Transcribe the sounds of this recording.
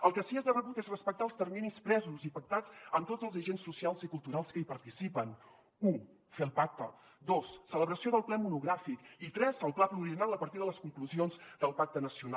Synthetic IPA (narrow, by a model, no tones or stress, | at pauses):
əlˠkəsiɛzðərəβut̪ezrəspək̚t̪aːlˠst̪ərminispɾɛzuzipək̚t̪ad͡zəmt̪od͡zəlˠzəʒensːusialˠzikulˠt̪uɾalˠskəipəɾt̪isipən | u | feəlˠpak̚t̪ə | d̪osːələβɾəsioðəlˠplɛmunuɣɾafikit̪ɾɛzəlˠplapluɾiənalˠəpəɾt̪iðələskuŋkluzionzd̪əlˠpak̚t̪ənəsiuna